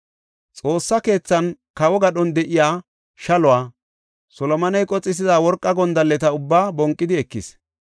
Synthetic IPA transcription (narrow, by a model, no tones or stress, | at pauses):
t͡sʼo̞ːsːɐke̞ːt͡sːɐnkɐwɔɡɐɗɔnd̪ɛʔɪjaː | ʃɐlʊwaː | sɔlɔmɐnɐjkʼɔt͡sʼːɪs̬ɪzaːwɔɾkʼːɐɡɔnd̪ɐlːɛt̪ɐʊbːaːbɔŋkʼːɪd̪ɪɛkːɪ̰s